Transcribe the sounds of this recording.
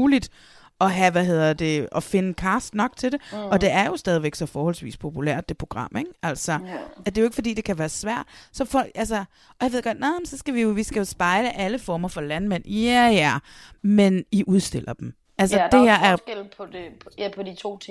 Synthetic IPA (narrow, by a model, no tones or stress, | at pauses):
uːlid̥ | ɒ̽ɦæʋæɦe̝ð̞̰ˠɐd̥e̝ɒ̽fe̝nəkʰɑ̈sd̥nɒ̽ɡ̥t͡sʰe̝de̝ɒ̽d̥e̝æɐjo̝sd̥ɛːðˠʋeɡ̥sɒ̽fɒːhɒ̽lsʋḭːspʰo̝pʰulæ̰ɐ̰d̥ːe̝pʰʁo̝ɡ̥ʁɑ̈m̰eɡ̥æl̰sɒd̥e̝jo̝e̝ɡ̥əfɒdḭːd̥e̝kʰæʋæːɐsʋæɐ̰d̥sɒ̽fɒ̽l̰ɡ̥ælsɐ | ʔɒ̽jɑ̈ʋe̝ð̰ˠɡ̥ɒ̽d̥nɑɒmnsɒ̽sɡ̥æʋijo̝ʋisɡ̥æjo̝sb̥ɑ̈ɪləʔæləfɒːmɐfɒ̽lænmen̰jæjæmeniʔuð̞ˠsd̥e̝l̰ɐd̥em̩ | æls̬əd̥e̝heɐ̰æɐ̥el̰pʰɒdeæpʰɒd̥it͡sʰo̝̰ːt͡sʰ